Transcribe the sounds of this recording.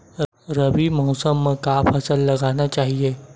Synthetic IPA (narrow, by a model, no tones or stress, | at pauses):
ɾɐbimɔːsəmːẽkapʰɐsəlːɐɡaːnat͡ʃaːɦieː